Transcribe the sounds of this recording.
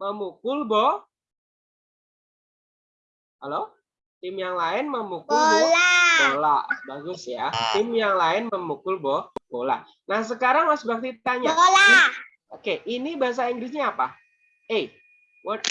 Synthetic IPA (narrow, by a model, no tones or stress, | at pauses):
məmukʊlbɔ | halo | t̪ɪmjaŋlaɪnməmukʊlbɔbola̰ʔbaɡʊsjat̪ɪmjaŋlaɪnməmukʊlbɔhkola̰ʔ | nahs̬əkaɾaŋmasbak̚t̪it̪aɲala | okeʔinibaɦas̬aiŋɡɾɪs̬ɲaːpa̰ | e | wat̪̚